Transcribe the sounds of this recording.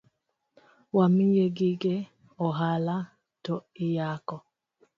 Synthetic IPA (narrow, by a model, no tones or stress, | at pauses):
wamijeɡiɡe | ɔɦala | toijakɔ